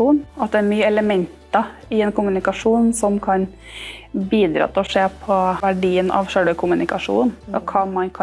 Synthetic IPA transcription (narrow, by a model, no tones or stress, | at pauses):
uːnɑt̪̚d̪ɛænyːəɛləmɛnt̪ɑ | ɪɛnkʰʊmʉnɪkɑʂuːnsɔmkʰɑn | biːd̪ɾɑ̰ːt̪ʰɪlɔʂeːpʰɔʋæɖiːənʔɑ̰ʋʂøɽəkʰʊmʉnɪkɑʂṵːnɔkʰɑmɑnkʰ